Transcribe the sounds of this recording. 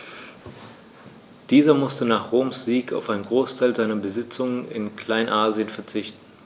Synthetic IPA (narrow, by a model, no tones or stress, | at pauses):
d̥iːzɐmʊstənaːχʁ̥oːmsz̥iːka̰ʊfaɪnɡʁoːstʰaɪlzaɪnɐbəzɪt͡sʊŋənɪ̰nkl̥aɪnʔaːziənfɛɐt͡sɪçtn̩